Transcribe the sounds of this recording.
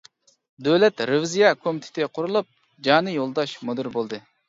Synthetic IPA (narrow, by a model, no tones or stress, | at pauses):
d̪øwlɛt̪ɾɨvzijɑkʰomit̪ʰɪ̥t̪ʰɪqʰʊɾulˠup̚ | d͡ʒɑːnɨjolˠd̪ɑʃmod̪ɨɾbolˠd̪ɨ